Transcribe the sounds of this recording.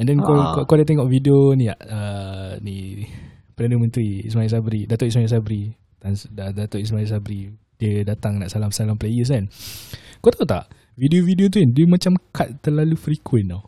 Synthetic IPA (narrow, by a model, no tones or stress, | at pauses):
ɛndɛnkɔkɔkaldat̪ɛŋɔʔvidionija̰ʔəni | pəɾadəmə̃nt̪ɾiḭsmails̬abɾidat̪ɔʔismajis̬abəɾi | t̪ansdədat̪ɔʔis̬mails̬abɾi | diədat̪aŋnaʔsalamsalamplejəs̬an | kot̪aot̪a̰ʔ | vidiovidiot̪̬uindiəmat͡ʃamkat̪̚t̪əlalufɾikʰwɛna